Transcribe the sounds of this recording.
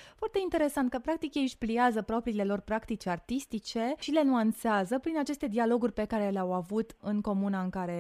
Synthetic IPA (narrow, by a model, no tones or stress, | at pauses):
foart̪e̞int̪e̞ɾe̞sant̪̚kəpɾak̚t̪ikjeɨʃpliazəpɾo̞pɾiːle̞lo̞rpɾakt̪it͡ʃʲart̪ist̪it͡ʃe̞ʃile̞nuant̪seazəpɾinat͡ʃe̞st̪e̞d̪ialo̞ɡurʲpe̞kaɾe̞leawavut̪ɨŋko̞munaɨŋkaɾe̞